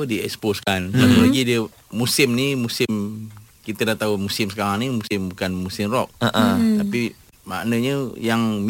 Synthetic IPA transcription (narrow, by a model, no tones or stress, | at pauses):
ədiɛ̰ksposkanlaulaɡidiə | musɪmnimusɪm | kit̪ədat̪aumusɪmsəkaɾaŋnimusɪmbukanmusɪmrɔk̚əʔt̪api | ma̰ʔnəɲəjaŋm